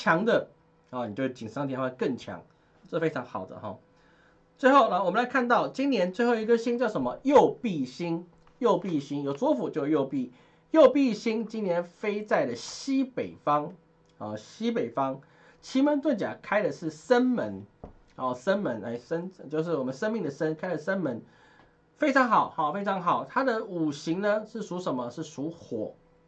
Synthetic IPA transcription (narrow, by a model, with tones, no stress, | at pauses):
t͡ɕʰjɑ˧˥ŋd̪ə˧˨˧ | n˨˩t͡ɕo˥˧˥t͡ɕʰi˨˩ŋsŋt̪ʰjnxwa˥˩˧kə˥˩ŋt͡ɕʰjɑ̰˧˦ŋ | ʈ͡ʂə˥˧fe˥ɪʈ͡ʂʰɑ˧˥ŋxɑ˨˩ʊd̪ə̰˦xɔ̰˨˩ | t͡swe˥˧ɪxo˥˩ʊla˨˩wɔ˨˩mə˦nla˧˦ɪkʰa˥˧nt̪ɑ˥˩ʊt͡ɕi˦˥nnjɛ˧˦˥nt͡swe˥˧xo˥˩ʊi˧˥ɡə˧ɕi˥ŋt͡ɕjɑ˥˧ʊʂə˧˦mə˧jo˥˨˧ʊpi˥˩ɕi˦˥ŋ | jo˥˧ʊpi˥˨ɕi˥ŋjo˨˩ʊt͡swɔ˦˥fu˨˩t͡ɕjo˥˧ʊjo˥˧ʊpi˥˨˩ | jo˥˧ʊpi˥˧ɕi˥ŋt͡ɕi˥nnjɛ˧˦nfe˥ɪt͡sa˥˩ɪlə˩ɕi˦pe˨˩ɪfɑ˦ŋ | ɔ˥˨˩ɕi˥pe˨˩ɪfɑ˥˦ŋ | t͡ɕʰi˧˥mə˧˦nt̪we˥˩t͡ɕja̰˨˩kʰa˥ɪdə˨ʂɻ̩˥˩ʂə˦nmə˧˥n | ɔ˧˨˩ʂə˥nmə˧˦na̰˧˥˩ʂə˦nt͡ɕjo˥˧ʊʂ̬ɻ̩˥˩wɔ˨˩mə˦nʂə˥nmi˥˩ŋd̪ə˨˩ʂə˦˥nkʰa˥ɪlə˨ʂə˦nmə˧˦n | fe˥ɪʈ͡ʂʰɑ˧˥ŋxɑ˨˩ʊhɑɔ˨˩fe˥ɪʈ͡ʂʰɑ˧˥ŋxɑ˨˩ʊt̪ʰa˥d̪ə˨u˨˩ɕi˧˥ŋnə˧ʂɻ̩˥˩su˧˥ʂə˧˥nmə˦ʂɻ̩˥˩su˧˥xwɔ˨˩˦